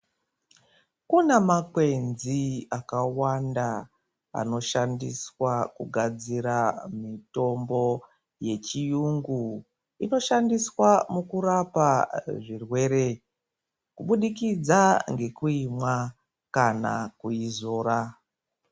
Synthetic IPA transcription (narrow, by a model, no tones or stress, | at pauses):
kunemakwe̞nziakawanda | a̰no̞ʃandiswakuɡʱad͡ziɾamito̞mbo̞ | je̞t͡ʃijuŋɡu | ino̞ʃandiswamukuɾapaʐirwe̞ɾe | kuɓuɗikid͡zaŋɡe̞kuimwa | kana̰kuizo̞ːɾa